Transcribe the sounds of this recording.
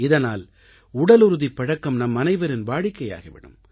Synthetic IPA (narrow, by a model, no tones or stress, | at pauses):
ɪðɐnaːl | ʊɽɐlʊɾɯðipːɐɻɐkːɐmnɐmːɐnɐɪʋɐɾɪnbaːɽɪkːɐja̰ːɣɐʋɪ̰ɳɯ̰m